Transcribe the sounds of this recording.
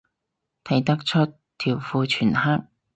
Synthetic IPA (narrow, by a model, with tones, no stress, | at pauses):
t̪ʰɐ˨˩jt̪ɐ˥k̚t͡ʃʰɵ˥t̚ | t̪ʰiː˨˩wfuː˧t͡ʃʰyː˨˩nha˥k̚